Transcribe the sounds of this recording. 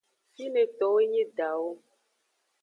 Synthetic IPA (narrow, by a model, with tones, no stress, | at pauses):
si˦nɛ̃˨t̪ɔ˨we˦ɲẽ˦ɖa˨wo˦